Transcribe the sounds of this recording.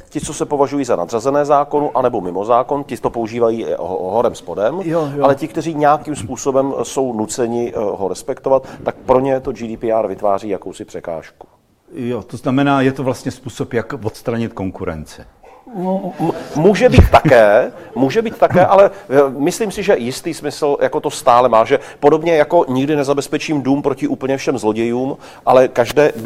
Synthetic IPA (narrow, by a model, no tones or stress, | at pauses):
cɪt͡so̞sɛpo̞vaʒujiːzana̰d̪r̝azɛnɛːzaːko̞nʊʔanɛbo̞mɪmo̞zaːko̞ncɪt̪opouʒiːvajiːɦɦo̞ɾɛmspo̞dɛmalɛcɪkt̪ɛriːɲɛakimspuːso̞bɛmso̞wnut͡sɛɲɪɦo̞ɾɛspɛkt̪o̞vat̪ːak̚pɾo̞ɲɛt̪o̞d͡ʒidiːpiʔaɾvɪt̪vaːriːjakowsɪpr̥ɛka̰ːʃku̥ | jot̪oznamɛnaːjɛt̪ovlast̪ɲɛspuːsopjakvot̪st̪ɾaɲɪt̪koŋkuɾɛ̰nt͡sɪ | muːʒɛbiːt̪t̪akɛːmuːʒɛbiːt̪t̪ːakɛːʔalɛmɪsliːmsɪʒɛjɪst̪iːsmɪsl̩jako̞t̪o̞st̪aːlɛmaːʒɛpo̞do̞bɲɛjako̞ɲɪɡdɪnɛzabɛspɛt͡ʃiːmduːmpɾo̞cɪʔuːpl̩ɲɛfʃɛmzlo̞ɟɛjuːm | ʔalɛkaʒdɛː